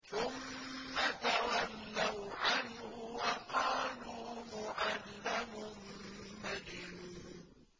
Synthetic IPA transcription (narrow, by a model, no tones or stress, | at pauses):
θʊmːat̪awalːawʕanhʊwaqɑːluːmʊʕalːamʊmmadɪnuː